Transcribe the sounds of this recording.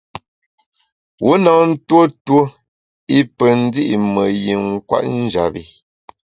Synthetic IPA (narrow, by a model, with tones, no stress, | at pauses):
wo˦na˨n̩˦two˦two˦ | i˦pə˨n̩˦di˦ʔi˨mə˨ji˨ŋ̩˦kwa̰˦˨ʔn̩˦d͡ʒa˨bi˨